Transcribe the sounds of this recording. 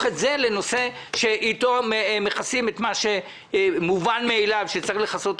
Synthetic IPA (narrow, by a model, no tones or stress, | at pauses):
χetze̞le̞no̞se̞ | ʃe̞ʔit̪o̞mmeχasimet̪maʃe | muvanmeːlavʃet͡saleχaso̞t̪